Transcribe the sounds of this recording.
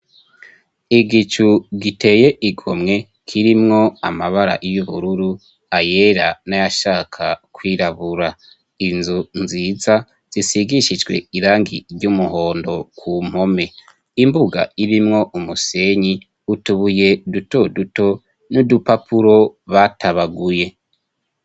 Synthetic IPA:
iɡit͡ʃuɡite̞je̞ʔiɡomŋe̞ | kʰiɾimŋo̞a̰maβaɾa̰ʔijuβuɾuɾu | ajeɾanajaʃaːkʰakwiːɾaβuɾa | inzunziza | z̥isiɡiʃid͡ʒɡwe̞̰iɾaːŋɡḭɾɟumuɦo̞ːndo̞kʰum̥ho̞me̞ | imbuɡa̰iɾimŋo̞ʔumuse̞ɲi | utuβuje̞dutoduto̞ | nudupapʰuɾo̞βatʰaβaɡuje̞

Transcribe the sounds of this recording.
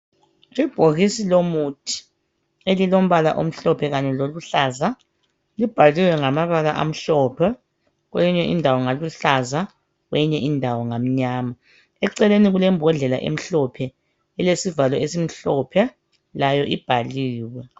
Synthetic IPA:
tib̥ʱoɣisilomutʰi̥ | elilom̩βala̰ʔo̰m̩ɬɔpʰɛɣaɲɛloluɬaza | lib̥ʱaliwɛŋamaβalaʔa̰m̩ɬɔːpʰɛ | ɣweiɲɛʔindʱawɔŋaluɬaza | ɣwɛɲɛʔindʱawɔŋam̩ɲaːma | ɛǀɛleniɣulɛmbʱɔɮɛla̰ʔḛm̩ɬɔpʰɛ | ɛlesivalɔesim̩ɬɔpʰɛ | lajɔʔib̥ʱaliːwɛ

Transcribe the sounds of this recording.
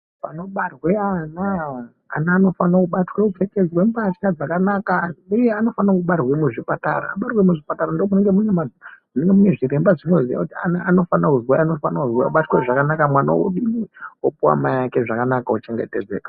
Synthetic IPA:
pano̞ɓarweanaː | naːno̞fanakuɓatweupeked͡zwempat͡ʃad͡zakanakaujeano̞fanakuɓarwemuʐipata̰ra̰ːɓarwemuʐipataɾandomuneŋɡemunemad͡zmuneŋɡemune̞ʐiɾe̞mbaʐino̞ziʋa̰kutianaano̞fanakuzwaano̞fanauzwa̰ɓatweʐakanakamwana̰o̰ɗimiopuwa̰maijake̞ʐakanakaut͡ʃe̞ŋɡe̞̰te̞d͡zeːkḁ

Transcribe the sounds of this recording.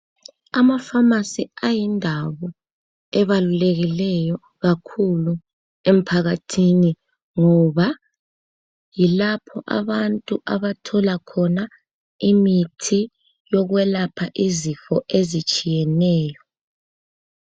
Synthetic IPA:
amafamasiajindʱaβɔ | ɛβaluleɣilɛjɔ | ɣakʰulu | em̩pʰaɣatʰini | ŋɔβa | jilapʰɔʔa̰βantʼuʔaβatʰɔlakʰɔna | imitʰi | jɔɣwɛlapʰaʔizifɔʔezit͡ʃʼijɛnɛːjɔ

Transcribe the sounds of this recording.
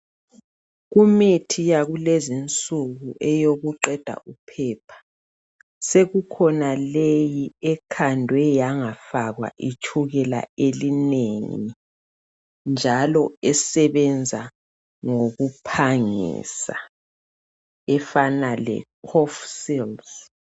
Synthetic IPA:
ɣumitʰijaɣulezint͡sʼuɣuʔɛjoɣuǃɛd̥ʱa̰ʔupʰɛːpʰḁ | seɣukʰɔnalejiɛkʰandʱwɛjaŋafaɣwa̰ʔit͡ʃʰuɣɛla̰elineŋi | nd͡ʒʱalɔɛsɛβɛnd͡zʱa | ŋoɣupʰaŋḭːsa̰ | ɛfanalɛ̰kʰɔfsilz

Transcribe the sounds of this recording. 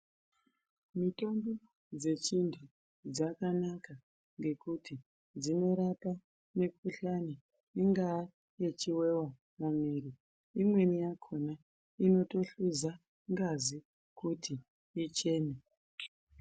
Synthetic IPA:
mito̞mbo | d͡ze̞t͡ʃindʰu | d͡zakanaka | ŋɡe̞kutʰi | d͡zino̞ɾapa | nekuɬani | iŋɡa | jet͡ʃiwe̞wa | mamiɾi | imwe̞nijakʰona | ino̞to̞ɬuza | ŋɡazi | kutʰiː | t͡ʃe̞ːne

